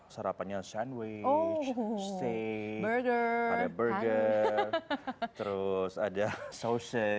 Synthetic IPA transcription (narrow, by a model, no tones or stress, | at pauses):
səɾapaɲasanweot͡ʃst̪ebəɹɡəadabərɡərt̪əɾʊsadasosə